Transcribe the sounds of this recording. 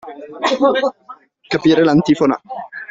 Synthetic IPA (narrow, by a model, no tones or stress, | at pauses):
kapiːɾelant̪iːfona̰